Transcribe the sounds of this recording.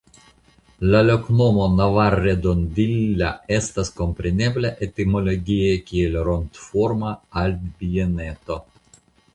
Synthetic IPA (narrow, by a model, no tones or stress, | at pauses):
lalo̞kno̞monavarːed̪ondilːae̞stasko̞mpɾene̞bleʔet̪imo̞loɡʲiekʲielɾont̪foɾmaaldbienet̪o